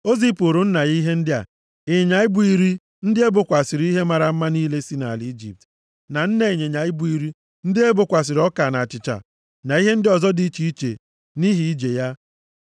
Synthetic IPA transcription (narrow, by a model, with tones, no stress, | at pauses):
o˦zi˦po˨ɾo˨n̩˦na˨ji˦ɦe˦n̩˦dɪ˦a̰˨ | ɪ˨ɲa˨ɪ˦bʊ˨i˦ɾi˦ | n̩˦dɪ˦e˦bʊ˨kʷa˨sɪ˨ɾi˦ɦe˦ma˨ɾa˨m̩˦ma˦ni˦le˦si˦na˨li˦d͡ʒḭ˨p̚t | na˨n̩˦ne˨ɲe˨ɲa˨ɪ˦bʊ˦i˨ɾi˦ | n̩˦dɪ˦e˦bʊ˨kʷa˨s̬ɪ˨ɾɔ˦ka˨na˨a˨t͡ʃɪ˨t͡ʃa̰˨ | na˨i˦ɦe˦n̩˦dɪ˦ɔ˨zɔ˦di˦t͡ʃi˦i˦t͡ʃḛ˨ | ni˦ɦi˦i˦d͡ʒe˨ja˦